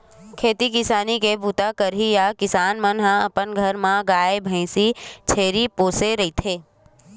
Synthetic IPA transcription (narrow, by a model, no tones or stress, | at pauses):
kʰeːt̪ikɪsaːnikebʱuːt̪akəɾɦijakɪsaːnmənɦãɐpənɡʱɐɾmãɡaːebʱɛ̃ɪsit͡ʃʰeːɾipoːseɾɐɦit̪ʰeː